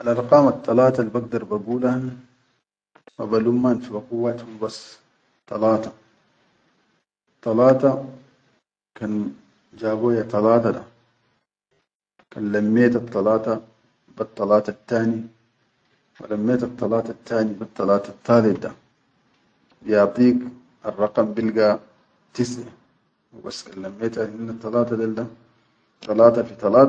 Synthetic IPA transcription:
alʔɑɾˤqɑːmɑt̪ˤːɑlɑːt̪ɑlbaɡ̚d̪ɑɾˤbaɡuːlan | wabalumːanfibaquwːat̪humbas | t̪ˤːɑlɑːt̪ɑ̥ | t̪ˤːɑlɑːt̪ɑ | kan | d͡ʒaːboːjat̪ˤɑlɑːt̪ɑda̰ | kanlamːeːt̪ɑt̪ˤːɑlɑːt̪ɑ | bɑt̪ˤːɑlɑːt̪ɑt̪ːaːni | wa̰lamːeːt̪ɑt̪ˤːɑlɑːt̪at̪ʰːaːnibit̪ˤːɑlɑːt̪ɑt̪ʰːɑːlɪt̪̚d̪a | bijɑʕt̪ˤiːk | ɑrˤːɑqɑmbilɡa | t̪isʕa | wba̰sːkanlamːeːt̪ahinːat̪ˤːɑlɑːt̪ɑd̪ald̪a | t̪ɑlɑːt̪ɑfit̪ˤɑlɑːt

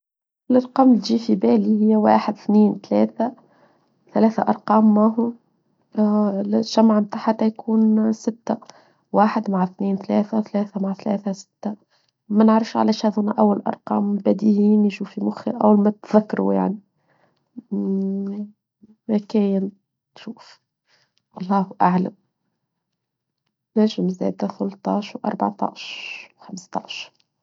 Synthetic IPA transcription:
ɪlʔɑɾˤqɑːmt̪ʒiːfibæːlihɪjːæwa̰ːħɪd̪θniːnt̪læ̰ːθæ | θælæːθaʔɑɾˤqɑːmːaːɦʊ | ʒ̥æmʕamt̪aːħat̪æjkʰuːnsɪt̪ːæ | waːħɪd̪maʕθniːnt̪læːθæθlæːθæmaʕθlæ̰ːθæsɪ̥t̪ːa | mænəʕɾˤɪfʃʕa̰læʃhæːðhʊnæʔæwːalʔɑ̰ɾˤqɑ̰ːmbæd̪ihiːnʃuːfimʊxḭʔæwːalmæt̪ðakːɑɾˤṵja̰ʕni | mækæːjɪn | t̪ʃuːf | ʔɑlˤːɑːhʔaʕla̰m | næʒɪmzæ̰ːd̪aθʊlt̪ˤɑːʃwʔɑ̰ɾˤba̰ʕt̪ˤɑ̰ːʃwxamst̪ˤɑ̰ːʃɾ

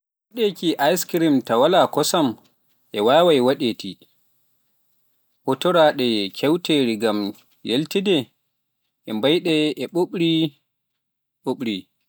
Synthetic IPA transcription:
waɗekiʔajskɾimtawalakɔsam | ʔɛwaːwajwaɗeti | hɔtɔɾaɗɛkʰɛwteɾiɡam | jeltidɛ | ʔɛmbajɗɛɛɓoɓɾi | ɓoɓɾi

